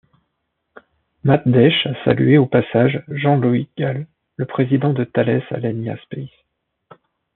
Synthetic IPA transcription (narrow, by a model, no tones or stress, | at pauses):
mat̪̚d̪ɛʃasa̰lyeopasaʒʒɑ̃luiɡ̥alː | əpχezid̪ɑ̃d̪ət̪alɛsa̰lɛnja̰spɛs